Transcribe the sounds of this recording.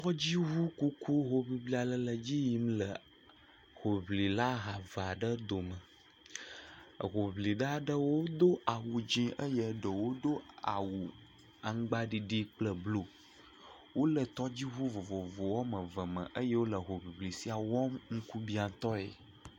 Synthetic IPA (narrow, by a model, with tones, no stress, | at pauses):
t̪ɔ˦d͡ʑi˦ɦu˦ku˦kʰu˦ɦo˦bli˦bli˦a˨lə˦lə˨d͡ʑi˦ji˦m˦lə˨ | ho˨bli˨la˦ɦa˨va˨ɖə˦d̪o˨mə˨ | ɣo˨bli˨ɖa˦ɖə˦wo˦d̪o˦a˨wu˨d͡ʒĩ˦ʔə˦jə˨ɖə˨wo˦d̪o˦a̰˨wu˨ | a˨ŋ˦ɡ͡ba˦ɖi˨ɖi˦k͡plə˦blo˦ | wo˦lə˨t̪ɔ˦d͡ʑi˦ɦu˦vo˨vo˨vo˨wɔ˦mə˨və˨mə̰̃˨ʔə˦jə˦wo˦lə˨ɦo˨bi˨bli˨si˨a˨wɔ˦mŋ̩˦ku˦bi˦a˨t̪ɔ˦ḛ˨